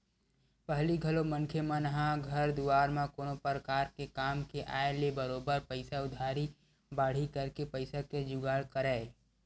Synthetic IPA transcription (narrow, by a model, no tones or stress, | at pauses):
pəɦliɡʱəlomənkʰemənəɦãɡʱəɾd̪uaːɾmãkoːnopɾəkaːɾkekaːmkeʔaːelebəɾoːbəɾpəɪsaʊd̪ʱaːɾi | baːɽ̤ikəɾkepəɪsaked͡ʒʊɡaːɽkəɾɛː